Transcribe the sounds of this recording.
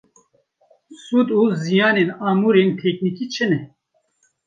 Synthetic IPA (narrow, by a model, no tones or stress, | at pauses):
sud̪uːzijaːneːnaːmuɾeːnt̪ʰɛknikit͡ʃʰɪnɛ